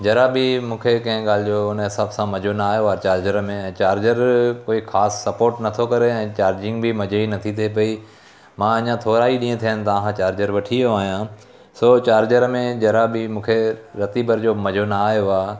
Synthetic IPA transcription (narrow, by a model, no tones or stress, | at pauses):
d͡ʑɐɾabɪmũːkʰekɐ̃ɦɪ̃ɠaːlɪd͡ʑoʊnɦɪsaːbsãmɐd͡ʑʱonaaːjoaːt͡ɕaːɾd͡ʑəɾmẽɛ̃ːt͡ɕaːɾd͡ʑəɾkoːixaːsːɐpoːɾʈnɐt̪ʰokɐɾeɛ̃ːt͡ɕaːɾd͡ʑɪ̃ŋɡbɪmɐd͡ʑʱinɐt̪ʰit̪ʰep̬ɐi | mãɐɲãt̪ʰoːɾaːiɗĩːẽt̪ʰijənɪ̆t̪ɐʋ̃ɦãt͡ɕaːɾd͡ʑəɾʋɐʈʰijoaːɦijãː | soːt͡ɕaːɾd͡ʑəɾmẽd͡ʑɐɾabɪmũːkʰeɾɐt̪ibəɾd͡ʑoːmɐd͡ʑʱonaaːɦijoaː